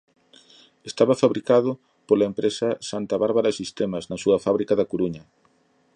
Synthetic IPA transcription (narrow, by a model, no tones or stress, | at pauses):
est̪aβɐfaβɾikaðʊ | polɐempɾesɐsant̪aβaɾβaɾasist̪emɐznɐsuɐfaβɾikɐðɐkoɾuɲɐ